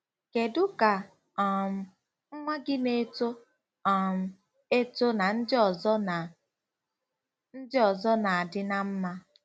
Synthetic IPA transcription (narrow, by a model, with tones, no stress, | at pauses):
ke˨dʊ˦ka˨ | m̩˨ | ŋ͡m̩˦ŋʷa˦ɡɪ˦ne˦to˦˨ | m̩˨ | e˦to˦na˨n̩˦dɪ˦ɔ˨zɔ˦na˨ | n̩˦dɪ˦ɔ˨zɔ˦na˨a˨dɪ˦na˦m̩˦ma˦